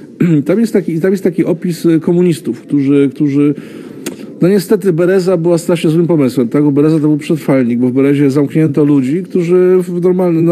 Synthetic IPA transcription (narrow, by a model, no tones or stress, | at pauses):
t̪amjɛst̪ːakʲit̪amjɛst̪t̪akʲiʔɔpʲiskɔmuɲist̪ufkt̪uʐɘkt̪uʐɘ | nɔɲɛst̪ɛt̪ɘbɛɾɛzabɘwast̪ɾaʂɲɛzwɘmpɔmɘswɛmt̪aɡbɔbɛɾɛzat̪ɔbɘwpʂɛt̪ɾfalɲiɡ̚bɔvbɛɾɛʑɛzamkɲɛnt̪ɔlud͡ʑikt̪uʐɘvnɔɾmalnn